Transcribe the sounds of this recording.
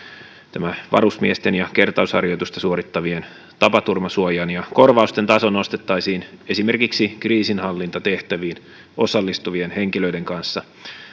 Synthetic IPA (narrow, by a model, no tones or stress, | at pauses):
t̪æmæʋɑ̰ɾusmiest̪enjɑke̞rt̪ɑushɑ̰rjot̪ust̪ɑsuoɾit̪ːɑʋien | t̪ɑpɑt̪urmɑsuojɑnjɑko̞rʋɑust̪e̞nt̪ɑso̞nːo̞st̪e̞t̪ːɑisiːne̞simerkiksikriːsinhɑlːint̪ɑt̪e̞ht̪æʋiːn | o̞sɑlːist̪uʋienhe̞ŋkilø̞ide̞ŋkɑnsːɑ